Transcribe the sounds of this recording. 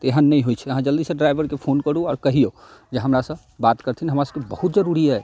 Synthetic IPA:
t̪eɦənːɛjɦojt͡ʃʰɛəɦãd͡ʒəld̪isə̃ɖɾajbʱəɾkepʰonkəɾuɔːɾkəɦijo | d͡ʒeɦəmɾasə̃ | bat̪kəɾt̪ʰinɦəmɾasəbkebəhut̪d͡ʒəɾuɾiɛ

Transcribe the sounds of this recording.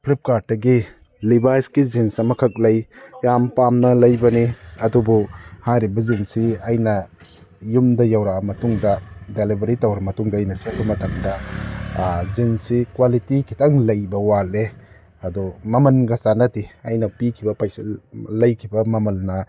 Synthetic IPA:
pʰlip̚kaɾ̚ːɐɡi | libajskizinsɐmɐkʰɐk̚lɐjjampamnɐlɐjbɐniɐdubɔhajɾibɐzinsiɐjnɐ | jumdɐjawɾamɐtuŋdɐdelibɐɾitɐwɾɐmɐtuŋdɐːjnɐsiɐpʰumɐtɐŋdɐ | zinsikwalitikʰitaŋlɐjbɐwale | ɐdɔmɐmɐnɡasanɐtiɐjnɐpikʰibɐpajslɐjkʰibɐmɐmɐlːɐ

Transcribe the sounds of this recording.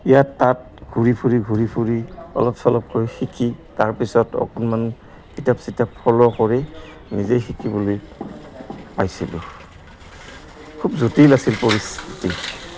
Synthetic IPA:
ijatːat̚ | ɡʱuɹipʰuɹiɡʱuɹipʰuɹiɔ̰lɔpsɔlɔp̚kɔɹixikitaɹpisɔtɔ̰kɔnman | kitapsitapʰɔlɔkɔɹɛ | nizejxikibuloj | pajsilṵ | kʰub̚zotilasilpɔɹistʰiti

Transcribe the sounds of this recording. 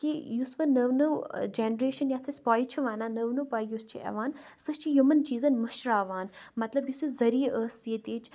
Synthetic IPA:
kijusʋɐnəʋnɐwd͡ʒeːnɾeːʃɐnjaːt̪ʰɐsʲpaːjt͡ʃʰiʋaːnaːnəʋnɨpaːjust͡ʃʰiʔɐ̰ʋaːnsɐst͡ʃʰijumənt͡ʃiːzɐnmɐʃɾaːʋaːnmɐt̪lɐbjusizɐɾiːəːsit̪iːt͡ʃʰ

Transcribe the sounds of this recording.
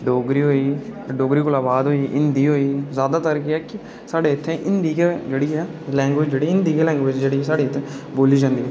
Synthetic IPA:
ɖoːɡɾiːɦoːiːɖoːɡɾiːkʊlaːbaːd̪ɦoːiːʔɪnd̪iːɦoːiːzjaːd̪aːt̪əɾkɪɛːkɪ | saːɖeːɪt̪ʰːẽːʔɪnd̪iːkeːd͡ʒeːɽiːaːlɛ̃ːŋɡʋɪd͡ʒd͡ʒeːɽiːɪnd̪iːkeːlɛ̃ːŋɡʋɪd͡ʒd͡ʒeːɽiːsaːɽeːɪt̪ʰeboːliːd͡ʒãːnd̪iːɦɛː

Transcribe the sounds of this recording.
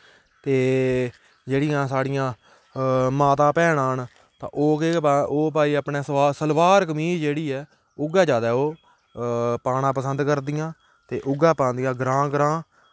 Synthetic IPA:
t̪eː | d͡ʒeːɽɪjãːsaːɽɪjãː | maːt̪ãːpɛːɽãːn | t̪ã̰ːʔoːkeoːpaːiːəpɳeːaːsəlʋaːɾkəmiːld͡ʒeːɽiːɛː | ʊɡɛːd͡ʒaːd̪aːoː | paːɽ̃ãːpəsənd̪kəɾd̪ɪjãː | t̪eːʔʊɡaːpãːnd̪ijãːɡɾãːɡɾãː

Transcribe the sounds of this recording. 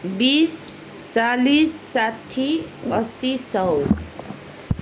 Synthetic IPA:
bis | t͡salisːaʈʰːiʌsisʌw

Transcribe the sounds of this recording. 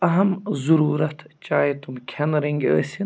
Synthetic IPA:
ɐɦɐmzuɾuːɾɐt̪ʰt͡ʃaːjit̪umkʲʰɐnɾiŋɡʲə̰ːsʲin

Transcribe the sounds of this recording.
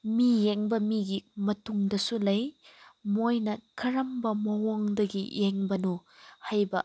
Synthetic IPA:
mijeŋbɐmiɡimɐtuŋdɐsulɐjmojnɐkʰɐɾɐmbɐmɐwoŋdɐɡijeŋbɐnuhajbɐ

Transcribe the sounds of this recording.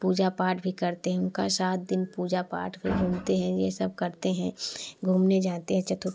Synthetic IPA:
puːd͡ʒapaːɾʈbʱikɐɾt̪eɦɛ̃ʊnka̰saːt̪̚d̪ɪnpuːd͡ʒapa̰ːʈbʱiɡʱũːmt̪eɦɛ̃jesɐb̚kɐɾt̪eɦɛ̃ɡʱuːmned͡ʒaːt̪eɦɛ̃t͡ʃɐt̪ʰu

